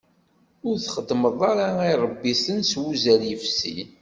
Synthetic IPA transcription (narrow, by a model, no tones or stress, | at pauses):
ʊɾθχəd̪ːməðˤɑɾaiɾˤəbːisənswuzæɾjəfsḭ